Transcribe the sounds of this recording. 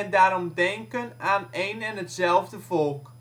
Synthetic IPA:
ɛndaːɾɔmdɛŋkənaːneːnɛnɦətsɛlˠvdəvɔlˠk

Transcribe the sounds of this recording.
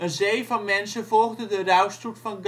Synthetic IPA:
ənzejvɑnmɛnsəvɔlˠɣdədərœwstrutfɑnɡ

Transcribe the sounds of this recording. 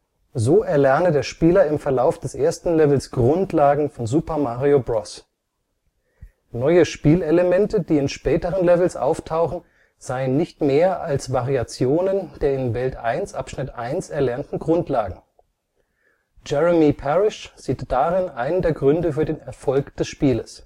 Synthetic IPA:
zoːʔɛɐlɛɐnədeːɐʃpiːlɐɪmfɛɐlaʊfd̥ɛsʔeːɐstn̩lɛvl̩sɡ̥ʁʊntlaːɡŋ̩fɔnzupɐmaʁiobʁɔs | nɔʏəʃpiːleləmɛntədiːɪnʃpɛːtəʁ̞ənlɛvl̩sʔa̰ʊftʰaʊxn̩ | z̥aɪənːɪçtmeːɐʔalsv̥aʁiat͡sjoːnənd̥eːɐɪnvɛltʔa̰ɪnsʔapʃnɪtʔaɪnsɛɐlɛɐntn̩ɡʁʊntʰlaːɡŋ̩ | d͡ʒɛʁəmipʰɛʁɪʃz̥iːtd̥aʁɪnʔaɪnəndeːɐɡʁʏndəfyːɐdeːnɛɐfɔlkd̥ɛsʃpiːləs

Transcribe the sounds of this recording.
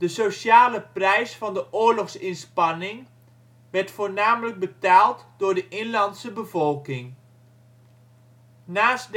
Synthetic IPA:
d̥əsoʃaːləprɛjsfɑndəʔʊːɹlɔxsɪnspɑnɪŋ | ʋɛɹtfoːɹnaːmələɡ̚bətaːlˠtdʊːɹdəʔɪnlɑntsəbəvɔlˠkɪŋ | naːsd

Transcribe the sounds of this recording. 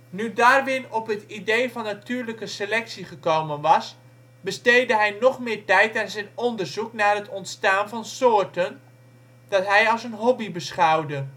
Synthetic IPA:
nydaːrʋɪnɔpɦətidejvɑnːatyːɹləkəselɛksiχəkowmənʋɑs | bəstejdəɦɛjnɔχmɪːɹtɛjtanzɛjnɔndərzuknaːrɦətɔntstaːnfɑnsʊːrtən | d̥ɑtɦɛjɑlˠsənɦɔbibəsχawdə

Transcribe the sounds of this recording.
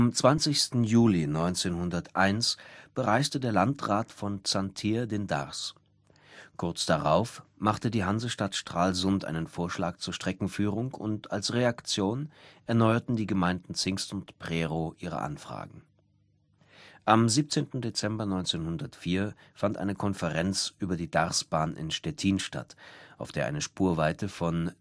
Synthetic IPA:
ʔamt͡sv̥ant͡sɪçstn̩juːlinɔʏnt͡seːnhʊndɐtʔaɪnsb̥əʁaɪstədeːɐlantʁaːtfɔnt͡santʰiːɐdenda̰ʁs | kʰʊɐt͡sd̥aʁa̰ʊfmaχtədiːɦanzəʃtatʃtʁ̥aːlzʊntʔa̰ɪnənfoːɐʃla̰ːk̚t͡suːɐʃtʁ̥ɛkŋ̩fyːʁ̞ʊŋʰʊ̰ntalsʁeakt͡sjoːnʔɛɐnɔʏɐtn̩diːɡəmaɪndn̩t͡sɪŋstʊntpʁ̥ɛʁoʔiːʁ̞ə̰ʔa̰nfʁ̥a̰ːɡŋ̩ | ʔamziːp̚t͡seːntn̩det͡sɛmbɐnɔʏnt͡seːnhʊndɐtfiːɐfantʔa̰ɪnəkʰɔnfəʁɛnt͡sʔyːbɐdiːdaʁsb̥aːnɪ̰nʃtɛtʰiːnʃta̰tʔaʊfd̥eːɐʔa̰ɪnəʃpuːɐvaɪtəfɔn

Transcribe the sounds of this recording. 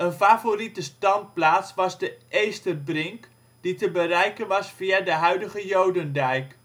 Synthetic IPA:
ənfaːforitəstɑnt̚plaːtsʋɑzdəʔejstəbrɪŋk | d̥itəbərɛjkənʋɑsfiadəɦœɥdəχəjowdəndɛjk

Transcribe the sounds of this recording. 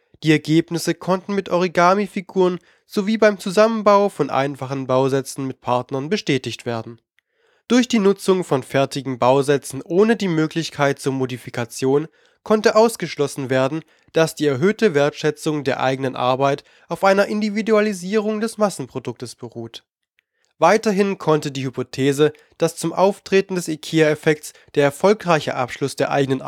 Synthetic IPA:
d̥iːɛɐɡeːpnɪsəkʰɔntn̩mɪtʔɔʁiɡaːmifiɡuːʁən | z̥oviːbaɪmt͡suzamənbaʊfɔnʔa̰ɪnfaχn̩baʊzɛt͡sn̩mɪt̚pʰaɐtnɐnbəʃtɛːtɪçtv̥eːɐdn̩ | d̥ʊɐçd̥iːnʊt͡sʊŋfɔnfɛɐtɪɡŋ̩baʊzɛt͡sn̩ʔoːnədiːmøːklɪçkʰaɪt̚t͡suːɐmodifikʰat͡sjoːn | kʰɔntəʔaʊsɡ̥əʃlɔsn̩veːɐdn̩ | d̥asd̥iːɛɐɦøːtəveːɐtʃɛt͡sʊŋdeːɐʔa̰ɪɡənənʔa̰ɐbaɪt | ʔaʊfʔaɪnɐʔɪndividualiziːʁ̞ʊŋdɛsmasn̩pʁ̥odʊk̚təsb̥əʁuːt | vaɪtɐɦɪnkʰɔntədiːhypotʰeːzə | d̥ast͡sʊmʔaʊftʁ̥eːtn̩dɛsekʰiːaɛfɛk̚t͡s | d̥eːɐɛɐfɔlkʁaɪçə̰ʔa̰pʃlʊsd̥eːɐʔa̰ɪɡənən

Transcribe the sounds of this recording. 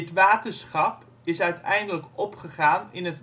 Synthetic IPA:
ətʋaːtəɹsχɑp | ɪsœɥtɛjndələkɔpχəχaːnɪnɦət

